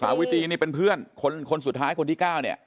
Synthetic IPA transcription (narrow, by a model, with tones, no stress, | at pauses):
saː˩˦wi˦˥t̪ʰiː˧niː˥˩pe˧npʰɯ˥˩ənkʰo˧nkʰo˧nsu˨˩t̪̚ʰːaː˦˥jkʰo˧nt̪ʰiː˥˩kaː˥˩wni˥˩ɐ